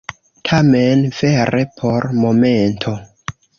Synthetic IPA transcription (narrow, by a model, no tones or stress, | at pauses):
tʰamenve̞ɾepʰo̞ɾmo̞me̞ntʰo̞